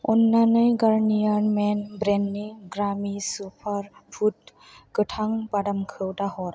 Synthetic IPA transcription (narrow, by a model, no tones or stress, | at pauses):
ɔ̰nːanɯjɡaɹnijanmɛnbɾenːiɡɾamisupʰaɾpʰut̚ | kɯʈʰaŋbadamkʰɯwtahɔɾ